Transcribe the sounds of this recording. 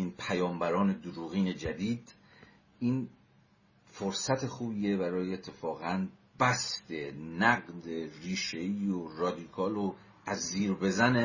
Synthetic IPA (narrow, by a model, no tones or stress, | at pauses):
iːnpʰæjɒːmbæɾɒːne̞d̪uɾuːɣiːne̞d͡ʒæd̪iːd̪ | ʔiːn | foɾsæt̪ʰe̞xuːbiːe̞bæɾɒːjeːt̪ʰːe̞fɒːɣænb̥æst̪e̞næɣd̪eriːʃe̞iːoɾɒːd̪ikʰɒːlo | æzːiːɾbe̞zæne